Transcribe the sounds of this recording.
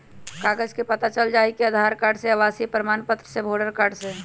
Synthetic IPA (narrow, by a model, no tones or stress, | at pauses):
kaɡəd͡ʒkepət̪at͡ʃəld͡ʒaikeəd̪ʱaɾkaɾɖseəʋasipɾəmanpət̪ɾəsebʱoɖəɾkaɾɖse